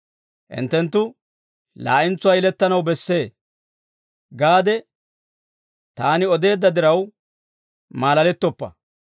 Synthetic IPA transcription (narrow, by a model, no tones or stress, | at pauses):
ʔɪ̰nt̪ːɛnt̪ːʊ | la̰ːʔɪnt͡sːʊwaːjɪlɛt̪ːɐnɐwbɛsːe̞ː | ɡaːd̪ɛ | t̪aːnɪɔd̪e̞ːd̪ːɐd̪ɪɾɐw | maːlɐlɛt̪ːɔpːɐ̰